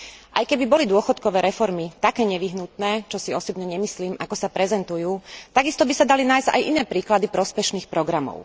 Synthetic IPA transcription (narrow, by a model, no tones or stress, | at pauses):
ʔajkɛbibɔlid̪ʊɔxɔt̪kɔʋɛːɾɛfɔɾmit̪akɛːɲɛʋiɦnut̪nɛːt͡ʃɔsiɔsɔbɲɛɲɛmisliːmʔakɔsapɾɛzɛnt̪ujuːt̪aɡist̪ɔbisad̪alinaːjzɟa̰jʔinɛːpɾiːklad̪ipɾɔspɛʃniːxpɾɔɡɾamɔ̰ʊ